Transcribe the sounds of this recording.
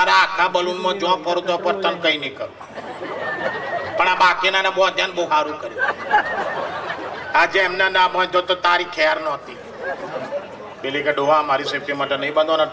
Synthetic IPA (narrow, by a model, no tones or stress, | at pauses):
aɾaakʰabəlunmãd͡ʒɔ̃kəɾũt̪opəɾt̪ənkəinikəɾũ | pəɳabakinanɛbɔd̪ʱjanboɦaɾũkəɾjũ | ad͡ʒeɛmnenãbə̃nd̪ot̪ot̪aɾikʰɛɾnɔt̪i | belikeɖoɦaəmaɾisepimaʈenəĩbə̃nd̪on